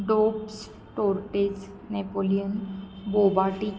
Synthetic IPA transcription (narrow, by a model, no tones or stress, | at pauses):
ɖops | ʈoɾʈes | nepolijənbobaʈi